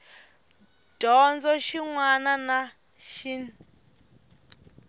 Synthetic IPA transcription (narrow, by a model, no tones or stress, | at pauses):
d̥ɔnd͡zɔʃiŋwanana | ʃi